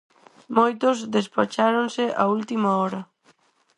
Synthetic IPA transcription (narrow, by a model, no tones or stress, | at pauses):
mojt̪ozðespat͡ʃaɾonseʔa̰ult̪imaɔɾa